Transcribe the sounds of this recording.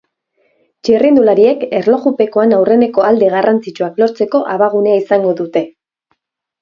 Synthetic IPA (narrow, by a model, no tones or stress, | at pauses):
t͡ʃirind̪ulaɾie̞ke̞ɾlo̞ɣupe̞ko̞anawre̞ne̞ko̞ald̪e̞ɣ̞arant͡sit͡ʃuaklo̞ɾt͡se̞ko̞ʔaβaɣ̞uneaisaŋɡo̞ðut̪e̞